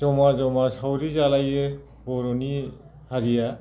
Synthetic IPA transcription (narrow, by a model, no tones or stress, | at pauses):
zɔmazɔmasawɾizalajɯ | bɔɾoni | haɾija